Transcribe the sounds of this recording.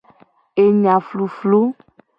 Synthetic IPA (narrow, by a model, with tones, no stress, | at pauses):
e˨ɲã˨flu˨flo˦